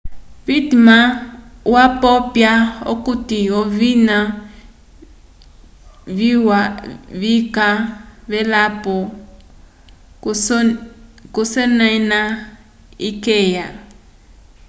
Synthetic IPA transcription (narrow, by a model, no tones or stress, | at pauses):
βitimawapɔpjaokutiovina | βiwaβikaβɛlapɔ | kusɛnɛna | ikɛːja